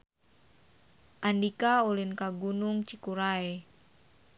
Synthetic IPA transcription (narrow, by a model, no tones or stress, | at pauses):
ʔandikaulinkaɡunuŋt͡ʃikuɾae